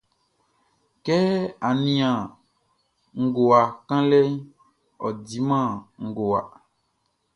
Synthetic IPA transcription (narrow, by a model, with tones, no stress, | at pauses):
kɛ˦a˨nĩ˨ã˨ | ŋ̩˨ɡo˨a˨kã˦lɛ˦ | ɔ̰˨di˨˦mã˦˨ŋ̩˨ɡo˨a̰˨